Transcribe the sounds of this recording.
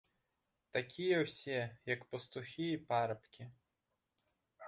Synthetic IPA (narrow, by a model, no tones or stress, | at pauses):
t̪akʲijɛwsʲɛjɐkpɔst̪ʊxʲiipaɾɐpkʲi